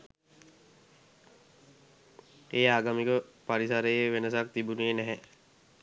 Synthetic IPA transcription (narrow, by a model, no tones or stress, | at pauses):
eːaːɡamikəpaɾisaɾejeʋenəsak̚t̪ibunienɛɦɛ